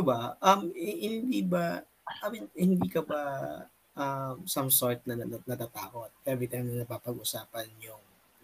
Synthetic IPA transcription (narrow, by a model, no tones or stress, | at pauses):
ʊbaʔɐmɪhɪnd̪iːbɐ | ʔɐmɪhɪnd̪iːkɐbɐ | ʔɐmsɐmsoɹt̪̚nɐɐnɐt̪aːt̪aːko̞t̪̚ʔɛbɾɪt̪ɛŋnɐpapɐɡʔʊsaːpɐnjʊŋ